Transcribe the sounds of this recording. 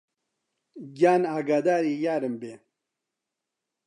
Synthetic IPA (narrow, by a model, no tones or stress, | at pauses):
ɡjaːnaːɡad̪aːɾiːjaːɾɨmbeː